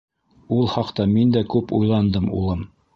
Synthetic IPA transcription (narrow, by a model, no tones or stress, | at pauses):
ulˠhɑqt̪ɑmind̪ækʉpṵjlˠɑnd̪ɤmṵlˠɤm